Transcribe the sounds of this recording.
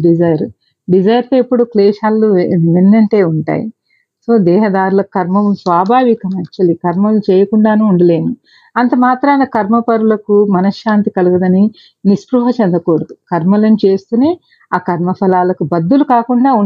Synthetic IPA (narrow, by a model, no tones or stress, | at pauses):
ɖid͡ʒɐjɐɾ | ɖid͡ʒɐjɐɾt̪oːepːuɽukleːʃaːlːuminːɐɳʈe̞ːuɳʈa̰ːjḭ | so̞ːd̪ɛːɦɐd̪aːɾulɐkukɐɾmɐmsʋaːbʱaːʋikɐmɐt͡ʃːɐlikɐɾmɐlt͡ʃɛːjɐkuɳɖaːnuːuɳɖɐle̞ːnu | ɐnt̪ɐmaːt̪ɾɐɐnɐkɐɾmɐpɐɾulɐkumɐnɐʃːaːnt̪ikɐluɡɐd̪ɐni | nispɾuɦɐt͡ʃɛnd̪ɐkoːɽɐd̪ukɐɾmɐlɐnit͡ʃeːst̪une̞ː | aːkɐɾmɐpʰɐlaːlɐkubɐd̪ːulukaːkuɳɖaːu